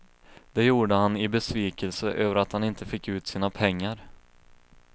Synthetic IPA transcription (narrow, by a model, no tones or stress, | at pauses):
d̪̥ɛjuːɖəhanɪbɛsviːkəlsəʔøːvəɾat̪hanɪnt̪əfɪkːʉ̟ːt̪siːnapʰɛŋːaɾ